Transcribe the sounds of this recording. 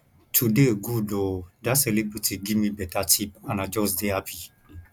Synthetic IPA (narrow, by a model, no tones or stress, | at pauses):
tʰudeoɡudodasɛlebɾetiɡimĩbɛtatipãnãd͡ʒɔsdeapʰi